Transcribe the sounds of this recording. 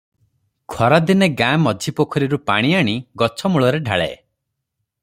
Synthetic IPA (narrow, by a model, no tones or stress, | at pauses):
kʰɔɾad̪ineɡamɔd͡ʒʱipokʰɔɾiɾupa̰ɽ̃iaɽ̃iɡɔt͡ʃʰɔmuɭɔɾeɖʱa̰ɭḛ